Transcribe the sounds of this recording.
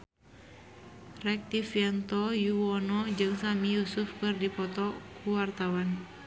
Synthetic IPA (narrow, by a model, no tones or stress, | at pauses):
rɛk̚t̪ifjant̪ɔjuwɔnɔd͡ʒɨŋsamijusufkɨrdipɔt̪ɔkʰuwart̪awan